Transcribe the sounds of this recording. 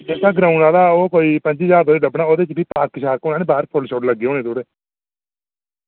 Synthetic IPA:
d͡ʒɛːsaːɡɾaːʊnaːd̪aːoːkoːiːpə̃ɲd͡ʒiːd͡ʒaːɾd̪oːeɖəbɽaːoːd̪eːt͡ʃbiːpaːkːʃaːɾkoʊnaːnẽːbaːɾpʰolʃoːʈləɡːeõːnẽːt̪oːɾeː

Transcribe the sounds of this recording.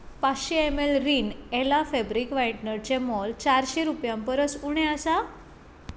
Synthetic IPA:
pasɕeemelɾiːnelafɛbɾikʋajʈnəɾt͡ɕemɔlt͡ɕaɾɕeɾupjãmpəɾəsuɽ̃ẽəsa

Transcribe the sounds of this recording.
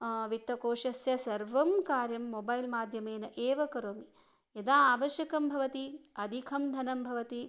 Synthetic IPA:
ʋit̪ːɐkoːʃɐsjɐsɐɾʋɐmkaːɾjɐmːobɐjlmaːd̪ʱjɐmeːnɐʔeːʋɐkɐɾoːmi | jɐd̪aːaːʋɐʃjɐkɐmbʱɐʋɐt̪iɐd̪ʱikʰɐmd̪ʱɐnɐmbʱɐʋɐt̪i

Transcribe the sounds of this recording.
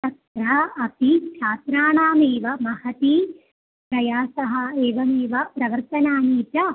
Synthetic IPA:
t̪ɐt̪ɾɐɐp̪ikʃʰaːt̪ɾaːɳaːmeːʋɐmɐhɐt̪i | pɾɐjaːsɐɦɐ̆eːʋɐmeːʋɐpɾɐʋɐɾt̪ɐnaːniːt̪ɐ

